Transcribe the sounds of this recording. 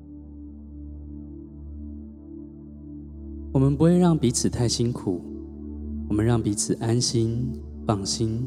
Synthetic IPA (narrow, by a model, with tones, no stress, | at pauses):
wɔ˨˩mə˨˦npu˧˦xwe˥˧ɪɻɑ˥˩ŋpi˨˦t͡sʰɹ̩˨˩t̪ʰa˥˩ɪɕi˦nkʰu˨˩˦ | wɔ˨˩mə˨˦nɻɑ˥˩ŋpi˨˥t͡sʰɹ̩˨˩ʔa˦nɕi˦n | pɑ˨˩ŋɕi˦n